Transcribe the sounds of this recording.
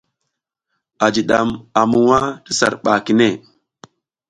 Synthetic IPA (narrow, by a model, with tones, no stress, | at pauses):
a˨d͡ʒi˨ɗa˨ma˨mu˨wa˦ti˦sa̰˨ɾɓa˨ki˨ne˦˨